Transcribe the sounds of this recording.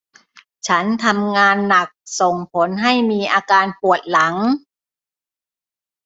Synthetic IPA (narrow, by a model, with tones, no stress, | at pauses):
t͡ɕʰa˦˥nt̪ʰa˧mŋaː˧nːa˨˩k̚so˨˩ŋpʰo˩˦nɦa˥˩jmiː˧ʔaː˧kaː˧npu˨˩ət̪̚la˩˦ŋ